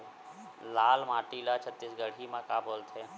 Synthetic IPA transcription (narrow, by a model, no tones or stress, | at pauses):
laːlmaːʈiːlat͡ʃʰət̪ːisɡəɽ̤imãkaːboːlt̪ʰeː